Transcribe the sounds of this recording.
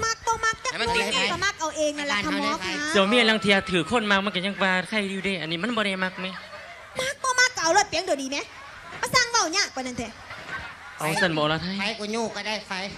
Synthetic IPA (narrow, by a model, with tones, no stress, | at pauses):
ma˧˥k̚bɔː˧ma˧˥k̚t̪aː˧˨˧a˧˨a˧˩ma˧˥˩k̚ʔa˧wʔeː˧ŋna˧lt̪ʰa˧mmɔː˧˥˦kʰaː˧˦ɔː˨˩˦miː˧˥˩a˧la˧˩ŋt̪ʰiː˧ʔa˧t̪ʰɯː˨˩kʰo˧˥˨nmaː˧˥k̚ma˧˥˨ka˧˩ɲa˧˩ŋkaː˧kʰa˧˩jdiː˧˩deː˧˩ʔa˧nːiː˧˩ma˧˥˨nbɔː˧ɾa˧˩jma˧˥k̚ma˧˥˦ | ma˧˥˩k̚bɔː˧ma˧˥˩k̚ːa˧ʔa˧˨wlɔ˧˩t̪̚pi˨˦ŋdoː˨˩diː˧mɛ˧˥˦ | mma˧˩saː˧˥˩ŋwa˧˩wɲaː˧˩k̚waː˧˨na˧˩nt̪ʰɛ˧˩ | ʔa˨˧˩wsa˧˩nbɔː˨˧˦lɔ˧˩t̪ʰa˧˥ja˧˩jku˧˩ɲuː˧˩kɔː˧˩daː˧˩jfa˧˩j